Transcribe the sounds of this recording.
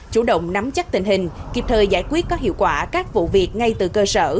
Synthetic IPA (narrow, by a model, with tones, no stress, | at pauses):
t͡ɕu˧˩ɗə̰˧˨wŋ͡mna˨˦mt͡ɕa˦˥t̪ï˨˩ŋ̟hï˨˩ŋ̟ki˨˩p̚t̪ʰəː˨˩jzaː˧˩jkwi˦˥ət̚kɔ˨˦ɦḭ˧˨əwkwaː˧˩kaː˦˥k̚vṵ˧˨vi˨˩ət̚ŋa˧jt̪ɨ˨˩kəː˧səː˧˩